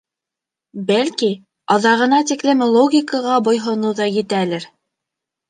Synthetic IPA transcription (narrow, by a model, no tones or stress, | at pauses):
bælki | ɑðɑʁɤ̆nɑt̪iklɘmlˠoɡʲikəʁɑbŏjɦŏnɤwðɑjɘ̆t̪ælɘɾ